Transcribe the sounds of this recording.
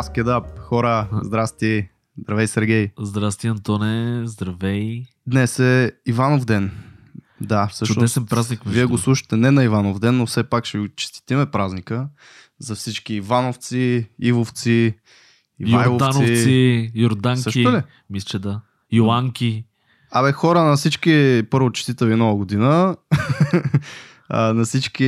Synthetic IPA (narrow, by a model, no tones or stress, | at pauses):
skʲɛd̪ap̚xɔɾəzd̪ɾast̪i | zd̪ɾɐvɛjsɛɾɡʲɛjzd̪ɾast̪iɐnt̪onɛzd̪ɾɐvɛj | d̪nɛsɛivanovd̪ɛn | d̪afsɤʃt͡ʃʊɛsɛnpɾaznikmviɛɡoslˠuʃə̥t̪ɛnɛnɐivanovd̪ɛnːofsɛpakʃɛɡʊt͡ʃi̥st̪i̥t̪imɛpɾaznikə | zɐfsit͡ʃkiːvanoft̪siivoft̪si | ivajˠod̪ansoifsijoɾd̪aŋk̪səʃt̪li | mislʲt͡ʃɛd̪a | joaŋkʲi | abɛxɔɾənɐfsit͡ʃkipɤɾvot͡ʃɛ̥st̪it̪ɛviɛnɔvɐɡod̪inə | nɐsit͡ʃk̟i